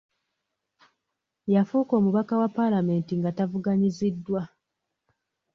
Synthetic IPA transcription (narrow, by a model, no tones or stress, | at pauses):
jafuːko̞ːmuβakawapːalame̞ːntiŋɡatavuɡaɲizidːwa